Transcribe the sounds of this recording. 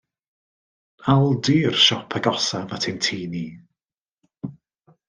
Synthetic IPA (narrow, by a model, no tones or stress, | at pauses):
alˠdiːrʃɔpʰəɡɔsavatʰɪntʰiːniː